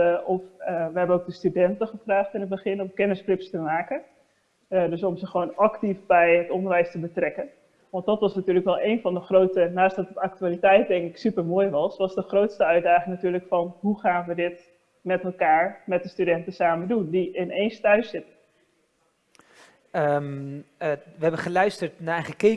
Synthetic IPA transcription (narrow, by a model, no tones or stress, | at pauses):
ɔfʋəɦɛbənok̚dəstydɛntəχəfraːχtɪnət̚bəχɪnɔmkɛnəsklɪpstəmaːkə | døsɔmzəχəʋoːnɑktifbɛjətɔndəɹʋɛjstəbətrɛkən | ʋɑntdɑtʋɑsnatyːləkʋɛlˠʔejnfɑndəχrowtənaːsdɑtətak̚tyaːlitɛjt̚dɛŋkɪksypəɹmoːjʋɑsʋɑsdəχrowtstəœɥt̚daːχɪŋnatyːləkfɑnɦuχaːnʋədɪt | mɛtɛlˠkaːɹmɛt̚dəstydɛntəsaːmədundiʔɪneːnstœɥsɪtə | ə | ʋəɦɛbəχəlœɥstəɹtnaɛχəke